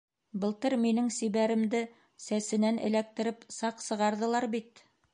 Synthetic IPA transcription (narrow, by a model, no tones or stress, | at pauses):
bɤ̆lˠt̪ɤɾminɘŋsiβæɾɘ̆md̪ɘ | sæsɘ̆nænɘ̰̆læk̚t̪ɘ̆ɾɘpsɑqsɤ̆ʁɑɾðɤ̆lˠɑɾbit̪